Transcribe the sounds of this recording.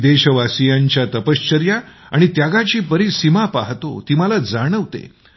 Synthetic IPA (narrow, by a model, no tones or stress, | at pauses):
d̪eɕəʋasijaɲt͡ɕjat̪əpəst͡ɕəɾja | a̰ɽ̃it̪jaɡat͡ɕiːpəɾiːsimapaɦt̪o̰t̪iməlad͡zaɽ̃əʋt̪ḛ